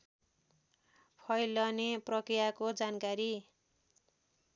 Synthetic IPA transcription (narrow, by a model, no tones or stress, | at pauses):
pʰʌjlʌneprʌkrijakod͡zankaɾi